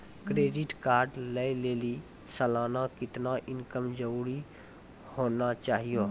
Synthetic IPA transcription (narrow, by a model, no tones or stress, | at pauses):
kɾeːɖɪʈkaːɾɖləileːlisəlaːnakɪt̪naʔɪnkəmd͡ʒəɾuːɾi | hoːnat͡ʃaːɦijoː